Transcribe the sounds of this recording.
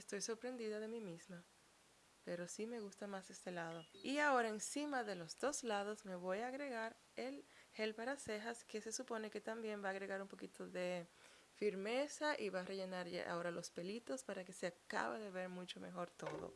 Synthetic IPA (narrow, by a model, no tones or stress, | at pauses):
est̪o̞jso̞ɾpɾe̞nd̪iðaðe̞mimisma | pe̞ɾo̞sime̞ɣust̪amase̞st̪e̞laðo̞iao̞ɾaensimaðe̞lo̞zd̪o̞slað̞o̞sme̞βo̞jaːɣɾe̞ɣaɾ | e̞lhe̞lpaɾase̞xaske̞se̞supo̞ne̞ke̞t̪ambje̞mbaːɣɾe̞ɣaɾumpo̞kit̪o̞ðe̞ | fiɾme̞saʔiβare̞ʝe̞naɾʝa̰ʔa̰o̞ɾalo̞spe̞lit̪o̞spaɾake̞seaka̰βa̰ðe̞βe̞ɾmut͡ʃo̞me̞xo̞ɾt̪o̞ðo̰